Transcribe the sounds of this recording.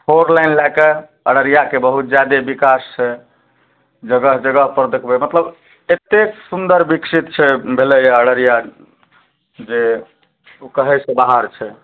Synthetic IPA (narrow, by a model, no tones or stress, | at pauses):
pʰoɾlajnlake | ə̰ɽəɾijakebəɦut̪̚d͡ʒjad̪ebikast͡ʃʰɛ | d͡ʒəɡəɦd͡ʒəɡəɦpəɾd̪ekʰbɛmət̪ləb | et̪eksund̪əɾbiksit̪t͡ʃʰɛbʱelɛjaəɽəɾija | d͡ʒe | okəɦɛsẽbaɦəɾt͡ʃʰɛ